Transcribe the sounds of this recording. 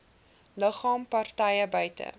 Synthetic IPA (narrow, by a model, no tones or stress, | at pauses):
ləχɑːmpɐrtɛjəbœɥtə̰